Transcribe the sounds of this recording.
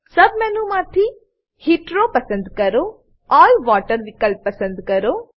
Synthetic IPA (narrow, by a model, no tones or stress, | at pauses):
sɐbmɛ̃ːnũmaːt̪ʰi | hiːʈɾoːpɐsə̃nd̪kɐɾoː | ɔːlʋaːʈəɾʋɪkəlpːɐsə̃nd̪kɐɾoː